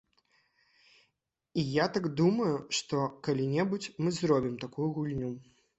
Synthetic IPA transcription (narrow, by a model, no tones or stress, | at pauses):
ijat̪aɡd̪umɐjuʂt̪ɔkalʲinʲɛbut͡sʲmɨzɾɔbʲimt̪akujuɣulʲnʲu